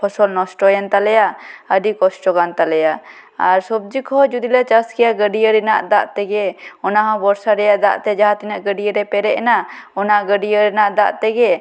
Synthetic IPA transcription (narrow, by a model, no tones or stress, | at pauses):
pʰɔsɔlnɔsʈɔjɛnt̪alɛjaəɖikɔsʈɔɡant̪alɛja | aɾsɔb̚d͡ʒikʰɔd͡ʒud̪ilat͡ʃaskɛjaɡəɖijəɾɛnaʔd̪aʔt̪ɛɡɛɔnaɦãbɔɾsaɾɛjaʔd̪a̰ʔt̪ɛd͡ʒaɦat̪inaʔɡəɖijəɾɛpɛɾɛʔɛnaɔnaɡəɖijəɾɛnaʔd̪aʔt̪ɛɡɛ